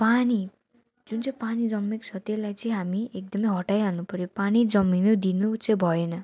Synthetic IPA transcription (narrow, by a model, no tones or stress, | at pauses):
pani | d͡zunt͡sʌ̃panid͡zʌmːiksʌt̪elajt͡sʌĩɦamiek̚d̪ʌmʌjɦʌʈajɦalnupʌɾjopanid͡zʌmːinud̪inot͡sʌĩbʱʌenʌ